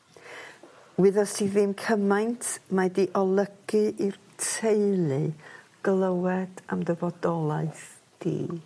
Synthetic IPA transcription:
wɪðɔstʰivɨmkʰəmajntʰmadiʔɔlˠəɡ̥ɨʔir | tʰejlˠɨɡ̥lˠəwɛd̥a̰mdəvɔdɔlˠaɨθ | d̥ḭː

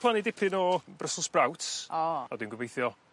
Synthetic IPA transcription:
pʰlˠanidɪpʰɪnɔbrəsʊsb̥rawtʰɔɔdɪnɡəvejθjɔ

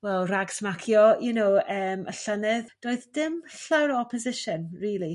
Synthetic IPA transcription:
wɛlˠraɡsmakʰjɔjunowəːmʔə̰ɬənɪðd̥oːɨðdɪmɬawɾɔɔpʰɔzɪʃənriːlˠi

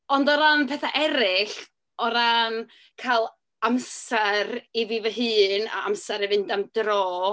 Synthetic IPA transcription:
ɔndɔɾanpʰɛθaʔɛɾɪɬ | ɔɾan | kʰalˠ | amsɛɾiviːvəɦɨːna̰amsɛɾivɨndamd̥rɔː

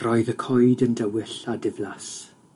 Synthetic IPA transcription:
rɔɨðəkʰɔɨdəndəwɪɬadɪvlas

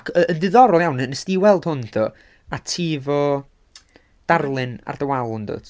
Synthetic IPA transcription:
kʰəənðɨðɔɾɔlˠjawnənəsd̥iwɛlˠd̥hʊnθʰɔ | atʰiːvɔ | d̥arlˠɨna̰rdəwalˠndo̰ːd̥

